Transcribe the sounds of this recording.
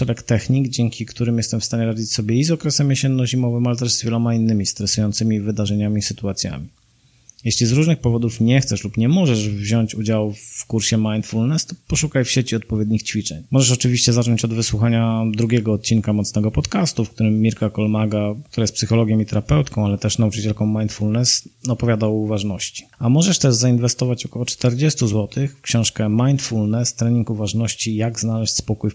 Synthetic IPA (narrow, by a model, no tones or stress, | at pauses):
ʂɛɾɛkt̪ɛxɲiɡd͡ʑɛŋkʲikt̪uɾɘmjɛst̪ɛmfst̪aɲɛɾad͡ʑit͡ɕsɔbʲjɛizɔkɾɛsɛmjeɕɛnːɔʑimɔvɘmalɛt̪ɛʐzvʲjɛlɔmainːɘmʲist̪ɾɛsujɔnt̪sɘmʲivɘd̪aʐɛɲamʲisɘt̪uat̪sʲja̰mʲi | jɛɕlʲizɾuʐnɘxpɔvɔd̪ufɲɛxt̪sɛʂlupɲɛmɔʐɛʐvʑɔɲt͡ɕud͡ʑawfkuɾɕɛmajnt̪fulnɛst̪ɔ̥pɔʂukajfɕɛt͡ɕiɔt̪̚pɔvʲjɛd̪̚ɲixt͡ɕfʲit͡ʂɛɲmɔʐɛʂ̬ɔt͡ʂɘvʲiɕt͡ɕɛzat͡ʂɔɲt͡ɕɔd̪vɘswuxaɲad̪ɾuɡʲɛɡɔːt̪̚t͡ɕinkamɔt̪snɛɡɔpɔt̪kast̪ufk̚t̪uɾɘmːʲiɾkakɔlmaɡakt̪uɾajɛst̪psɘxɔlɔɡʲjɔ̃it̪ɛɾapɛwt̪kɔ̃w̃alɛt̪ɛʂnaut͡ʂɘt͡ɕɛlkɔ̃w̃majnt̪fulnɛsɔpɔvʲjad̪awvaʐnɔɕt͡ɕi̥amɔʐɛʂt̪ɛʐzainvɛst̪ɔvat͡ɕɔkɔwɔt͡ʂt̪ɛɾd͡ʑɛst̪uzwɔt̪ʰɘxkɕɔ̃w̃ʂkɛmajnt̪fulnɛst̪ɾɛɲiŋkuvaʐnɔɕt͡ɕijaɡznalɛɕt͡ɕʲspɔkuj